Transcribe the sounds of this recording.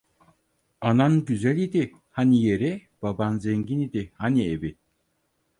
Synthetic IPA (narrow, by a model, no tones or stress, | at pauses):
ananɟyzælʲid̪i | hanijeɾib̥abanzeɲɟinid̪ihaniebi